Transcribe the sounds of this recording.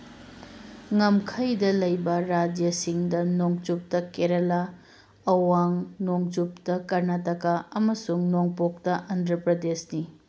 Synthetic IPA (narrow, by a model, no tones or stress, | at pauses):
ŋɐmkʰɐjdɐlɐjbɐɾad͡ʒjɐsiŋdɐnoŋt͡ʃup̚tɐkeɾɐla | ɐwaŋnoŋt͡ʃup̚tɐkɐɾnɐtɐkaɐmɐsuŋnoŋpok̚tɐʔɐndɾɐpɾɐdesni